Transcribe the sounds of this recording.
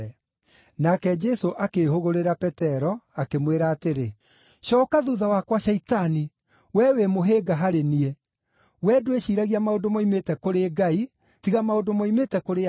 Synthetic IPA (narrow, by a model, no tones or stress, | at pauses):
ɛ | nakɛd͡ʒɛsoʔakehoɣoɾeɾapɛtɛɾɔakemweɾaːteɾe | ʃɔkaðuðawakwaʃɛitani | wɛwemoɦeɡaɦaɾeniɛ | wɛdoeʃiːɾaɣiamaodomaimetɛkoɾeɡai | tiɣamaodomaimetɛkoɾe